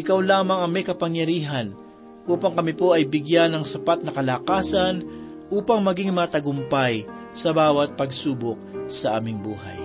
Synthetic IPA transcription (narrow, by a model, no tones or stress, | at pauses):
ʔɪkawlaːmɐŋɐŋmɛjkɐpɐŋjɐɾiːɦɐn | ʔuːpɐŋkɐmɪpo̞ʔɐjbɪɡjanɐŋsɐpat̪̚nɐkɐlaːkaːsɐn | ʔuːpɐŋmɐɡɪŋmɐt̪ɐɡʊmpaj | sɐbaːwɐt̪̚pɐɡsuːbok̚sɐʔa̰ːmɪŋbuːɦɐ̰j